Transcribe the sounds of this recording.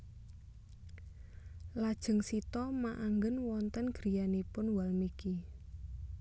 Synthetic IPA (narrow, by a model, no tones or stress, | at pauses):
lad̥ʒ̥ə̤ŋsit̪ɔmaʔaŋɡənwɔnt̪ənɡ̥ɾi̤janipʊnwalmiki